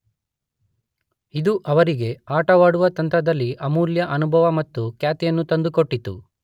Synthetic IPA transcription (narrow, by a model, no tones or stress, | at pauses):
id̪uʔɐʋɐɾiɡe̞aːʈɐʋaːɽuʋɐt̪ɐnt̪ɾɐd̪ɐlːiʔɐmuːljɐʔɐnubʱɐʋɐmɐt̪ːukjaːt̪ijɐnːut̪ɐnd̪ukoʈːit̪ːṵ